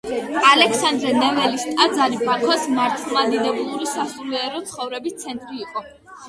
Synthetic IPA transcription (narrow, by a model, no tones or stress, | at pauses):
alɛksand̪ɾɛnɛvɛlist̪ʼad̪zaɾibakʰasmaɾt̪ʰlˠmad̪id̪ɛbulˠuɾisasuliɛɾɔt̪sʰχɔvɾɛbist̪sʰɛnt̪ʼɾiːqʼɔ